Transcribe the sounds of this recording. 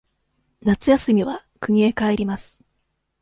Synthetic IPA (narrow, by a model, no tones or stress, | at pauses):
nat͡sɨjasɨmʲiβakɯ̟ɲ̟ie̞kaeɾʲimasɨ̥